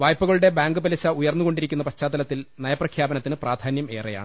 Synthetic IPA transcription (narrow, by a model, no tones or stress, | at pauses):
ʋaːjpːuɣɐɭuɽe̞baːŋɡɨpɐlɐɕɐujɐrnːuɣo̞ɳɖiɾikʲːunːɐpɐɕt͡ɕːaːd̪ɐlɐt̪ːilnɐjɐprɐkʰjaːbɐnɐt̪ːinɨpraːd̪ʱaːnjɐme̞ːreja̰ːɳ